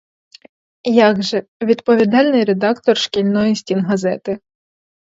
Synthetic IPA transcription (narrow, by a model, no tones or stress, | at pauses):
jɑɡʒɛʋʲid̪pɔʋʲid̪ɑlʲnɪjɾed̪ɑkt̪ɔrʃkʲilʲnɔjisʲtʲinɦɐzɛt̪ɪ